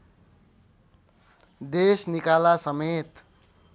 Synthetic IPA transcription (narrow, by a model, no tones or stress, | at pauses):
d̪esnikalasʌmet̪